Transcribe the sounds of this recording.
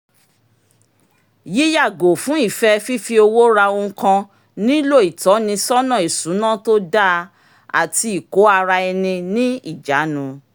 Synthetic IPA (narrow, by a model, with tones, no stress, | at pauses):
ji˦ja˦˨ɡo˨fũ˨˦i˦˨fɛ˧fi˦fi˧o˧wo˦ɾa˧o˧ũ˧kã˧ | nĩ˦lo˦˨i˨tɔ˨˦nĩ˧sɔ˦nã˦˨i˨sũ˨˦nã˦to˦da˦ | a̰˨ti˧i˨ko˨˦a˧ɾa˧ɛ˧nĩ˧nĩ˦i˦˨d͡ʒa˨˦nũ˧